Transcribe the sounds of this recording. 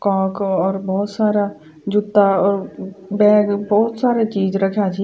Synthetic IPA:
kɔːkɔːɾbɔːʊt̪saːɾa | d͡ʒʊt̪ːaɔːɾbɛ̃ːɡbɔːʊt̪saːɾet͡ʃiːd͡ʒɾɐkʰjat͡ʃʰi

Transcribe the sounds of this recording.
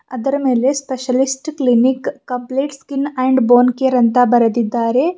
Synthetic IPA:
ɐd̪ɐɾɐmeːlespeʃɐlisʈklinikːɐpleːʈskineːɳɖboːnkeːɾɐnt̪abɐɾɐd̪id̪ːaːɾe

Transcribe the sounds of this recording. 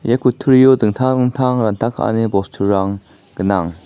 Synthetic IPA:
jakut̪ʰuɾijodɯŋt̪ʰaɾɯŋt̪ʰaŋɾant̪ʰakʰa̰ʔnebɔst̪ʰuɾaŋ | kənaŋ

